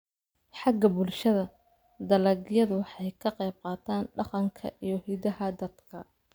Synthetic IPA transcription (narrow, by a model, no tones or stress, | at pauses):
ħɑɡɐbʊlʃɐðɐ | d̪ɐlɐɡjɐðʊwɑħɑjkʰɐqɛjb̚qɑːt̪ʰaːnɖɑqɑŋkʰɐ̰ʔijɞhidɐɦɐd̪ɐd̪̥kʰɐ̰